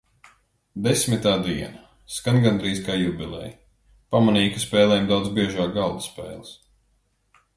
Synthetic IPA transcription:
d̪esmit̪aːd̪iɛna | skanɡand̪ɾiːskaːjubʲilˠɛ̰j | pamaniːkɨspɛːlˠɛːmd̪awd̪zbiɛʒaːkɡalˠd̪u̥spɛ̰ːlˠs

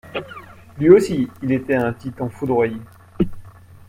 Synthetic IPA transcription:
lɥiosiːlet̪ɛɛ̃t̪it̪ɑ̃fud̪ʁwaje

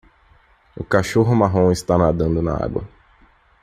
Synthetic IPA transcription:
ʊkaʃoɦʊmaɦõw̃ɪst̪anad̪ɐ̃nd̪ʊna̰a̰ɡwɐ̰

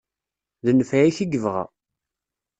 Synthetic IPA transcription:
ðənəfæiθiɡəvʁæ̰

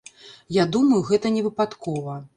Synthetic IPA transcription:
jad̪umɐjuɣɛt̪ɐnʲɛvɨpat̪kʰɔvɐ

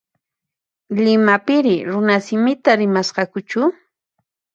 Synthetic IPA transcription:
lɪmapɪɾɪɾʊnasɪmɪt̪aɾɪmasɢɑkʊt͡ʃʊ

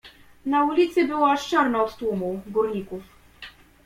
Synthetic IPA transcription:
naulʲit̪sɘbɘwaɔʂt͡ʂaɾnaɔt̪t̪wumuɡuɾɲikuf

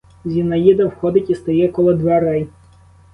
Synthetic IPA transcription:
zʲinɐjid̪ɐwxɔd̪ɪtʲist̪ɐjɛkɔlˠɔd̪ʋɛɾɛj

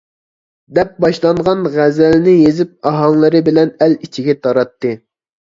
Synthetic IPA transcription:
d̪ɛp̚bɑʃlˠɑɴʁɑnʁæzælnɪjezɪp̚ɑɦɑŋlˠɨɾɨbɪlɛnɛlit͡ʃʰiɡʲɛt̪ʰɑɾɑt̪ːɨ

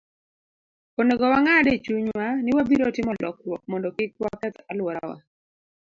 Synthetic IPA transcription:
oneɡɔwaŋadet͡ʃuɲwanɪwabiɾɔtɪmɔlɔk̚ɾwɔk̚mɔndɔkɪkwakɛt̪alwɔɾa̰wa̰

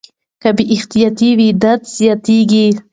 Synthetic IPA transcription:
kabiʔɪxt̪ijat̪iwid̪at̪z̥jat̪iɡi

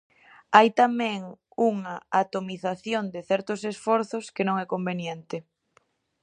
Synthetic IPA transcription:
ajt̪amɛ̃ŋ | uŋaat̪omiθaθjond̪ɪθɛɾt̪ʊsesfɔɾθʊskenõŋɛkombenjɛnt̪ɪ

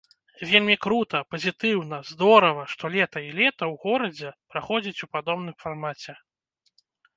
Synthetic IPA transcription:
vʲelʲmʲikɾut̪ɐpɐzʲit̪ɨwnɐzd̪ɔɾɐvɐʂt̪ɔlʲɛt̪ɐilʲɛt̪ɐwɣɔɾɐd͡zʲɛpɾaxɔd͡zʲit͡sʲupad̪ɔbnɨmfarmat͡sʲɛ

